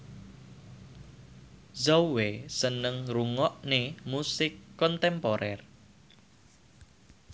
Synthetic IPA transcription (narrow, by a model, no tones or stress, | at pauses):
zowesənəŋruŋɔʔnemusɪkːɔnt̪ɛmpoɾʔɛr